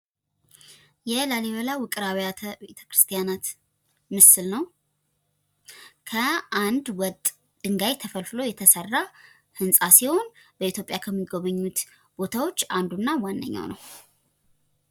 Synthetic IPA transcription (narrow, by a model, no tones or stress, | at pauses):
jɛlaliβəlawɨkʼɨɾaβjabet̪ʰə̥kɾɨst̪ʰijanat̪ | mɨsɨlnəw | kʰəand̪wɔt̪ʼ | d̪̥ɨŋɡajt̪ʰəfəlfɨlo̞jɛt̪ʰəsərːa | hɨnsʼasiho̞nb̥əit̪jo̞pʼjakʰəmːɨɡoβəɲːut̪ | b̥o̞t̪ʰawo̞t͡ʃːand̪unːawanːə̰ɲːa̰wnə̰w